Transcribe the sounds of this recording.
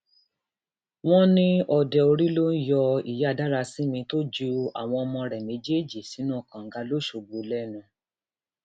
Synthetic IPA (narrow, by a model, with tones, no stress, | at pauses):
w̃ɔ̃˦nĩ˦ɔ˧dɛ˨o˧ɾi˦lo˦n̩˦jɔ˧ḭ˨ja˦˨da˦ɾa˧si˦mĩ˧to˦d͡ʒu˧a̰˨w̃ɔ̃˧ɔ˧mɔ̃˧ɾɛ˨mẽ˨˦d͡ʒe˦˨d͡ʒi˨si˨˦nũ˦˨kã˨ŋ̩˨˦ɡa˧lo˦ʃo˨ɡ͡bo˨lɛ˦nũ˧